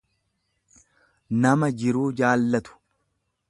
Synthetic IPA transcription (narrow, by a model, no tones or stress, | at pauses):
nɐmɐd͡ʒɪɾuːd͡ʒaːlːɐt̪ʊ̥